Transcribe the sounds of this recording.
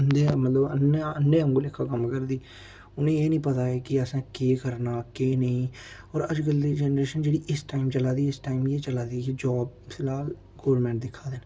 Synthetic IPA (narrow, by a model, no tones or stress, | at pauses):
ənd̪eːmət̪ləbəneənːẽːəŋɡoːlɪkʰːaːkəmkəɾd̪iː | ʊnẽːeːnĩːpət̪aːɛːkɪəsãːkeːkəɾnaːkeːnəĩːɔːɾəd͡ʒɡəld̪iːd͡ʒɛːnɾeːʃənd͡ʒeːɽiːʔɪsʈaːimt͡ʃəlaːd̪iːɪsʈaːimjeːt͡ʃəlaːd̪iːkid͡ʒɔːb̚sɪlaːl | ɡoːʋəɾmɛ̃ːɳʈ̚d̪ɪkʰːaːd̪eːn